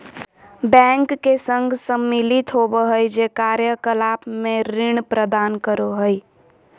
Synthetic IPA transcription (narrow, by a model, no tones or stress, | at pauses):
bɛ̃ːŋkːesə̃ŋɡʱsəmːɪlɪt̪ɦoːbəɦəjd͡ʒeːkaːɾjəkəlaːpmẽɾɪɳ̃pɾəd̪aːnkəɾoɦəi